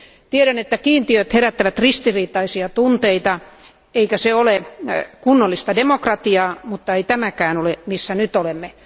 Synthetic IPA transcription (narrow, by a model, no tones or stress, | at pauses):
t̪ieɾænet̪ːækiːnt̪iøt̪heɾæt̪ːæʋæt̪rist̪iriːt̪ˑɑisiɑt̪unt̪eit̪ɑ | eikæseolekunːolːist̪ɑdemokrɑt̪iɑːmut̪ːɑeit̪æmækæːnolemisːænyt̪olemːe